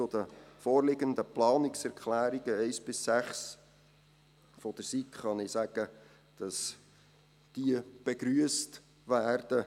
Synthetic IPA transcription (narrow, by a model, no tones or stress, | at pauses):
ʊd̥əfoːɾlɪɡənd̪əplɑːnɪksɛɾkχlæːɾiɡ̥əɛɪsb̥ɪsːæχs | fɔd̥əɾsitχɑnɪsæɡ̥ə | d̥ɑs | d̥iəb̥eɡɾyəst | ʋæːrd̥ə